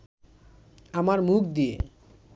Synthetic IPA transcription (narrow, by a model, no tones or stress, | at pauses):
amaɾmuk̚d̪ijḛ